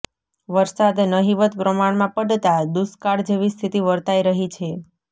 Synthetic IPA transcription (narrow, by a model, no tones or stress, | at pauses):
ʋəɾsad̪nəɦiʋət̪pɾəmaɳmãpəɖt̪ad̪uskaɽd͡ʒeʋist̪ʰit̪iʋəɾt̪aiɾəɦit͡ʃʰe